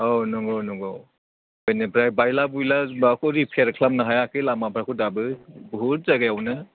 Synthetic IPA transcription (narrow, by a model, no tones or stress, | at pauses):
ɔnɔŋɡɔwnɔŋɡɔw | bɔjnɯbʰɾajbajlabujlaakʰɔɾipʰeɾkʰlamnaɦajakʰɯlamabʰɾakʰudabɯbuɾ̚zaɡajawnɯ